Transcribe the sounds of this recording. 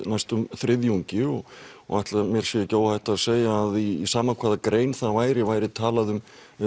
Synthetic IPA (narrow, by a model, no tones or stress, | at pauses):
najst̪ʏmθɾɪðjuɲcɪɔɣɔ̰ɣajht̪lmjɛɾ̥sjɛcoːwhajht̪aðseːjaːðisaːmakʰvaːðakɾeːjnθavaːjɾɪvaːjɾɪt̪ʰaːlaðʏm